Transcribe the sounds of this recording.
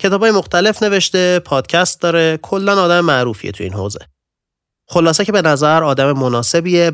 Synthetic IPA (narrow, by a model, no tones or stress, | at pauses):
cʰe̞t̪ʰɒːbɒːje̞mo̞xt̪ʰæle̞fne̞ve̞ʃt̪e̞pʰɒːd̪̥cʰæst̪̚d̪ɒːɾe̞kʰo̞lːænɒːd̪æmemæʔɾuːfijet̪ʰuḭːnho̰ːze̞̰ | xo̞lɒːsecʰe̞be̞næzæɾɒːd̪æmemonɒːse̞bie